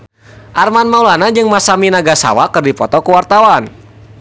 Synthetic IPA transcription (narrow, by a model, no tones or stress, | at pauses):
ʔarmanmaulanad͡ʒɨŋmasaminaɡasa̰wakɨrdipɔ̰t̪ɔkuwart̪awan